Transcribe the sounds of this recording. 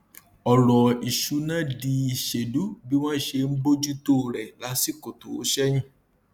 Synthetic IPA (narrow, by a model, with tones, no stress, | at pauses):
ɔ˨lɔ˨i˨ʃu˨˦nã˦di˧i˨ʃe˨du˨˦bi˦w̃ɔ̃˦ʃe˧n̩˦bo˦d͡ʒu˦to˦˨ɾɛ˨la˨˦si˦ko˨to˨˦ʃɛ˦j̃ĩ˦